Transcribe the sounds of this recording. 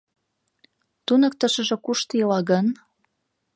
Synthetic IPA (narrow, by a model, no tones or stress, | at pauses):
t̪unəkt̪ə̆ʃə̆ʒĕkuʃt̪jəlɑɣən